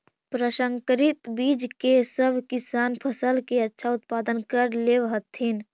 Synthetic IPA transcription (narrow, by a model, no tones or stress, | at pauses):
pɾəʃə̃ŋkɾɪt̪biːd͡ʒkesəbʱkɪsaːnpʰəsəlkeətːʃʰaʊt̪paːd̪ənkəɾleʋɦət̪ʰːin